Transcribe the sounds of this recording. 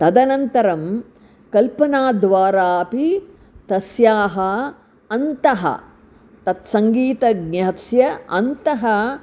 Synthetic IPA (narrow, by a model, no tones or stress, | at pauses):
t̪ɐd̪ɐnɐnt̪ɐɾɐm | kɐlpɐnaːd̪ʋaːɾaːpi | t̪ɐsjaːɦɐ | ɐnt̪ɐɦɐ̰ | t̪ɐt̪sɐŋɡiːt̪ɐɡnɐɦɐsjɐɐ̰nt̪ɐɦɐ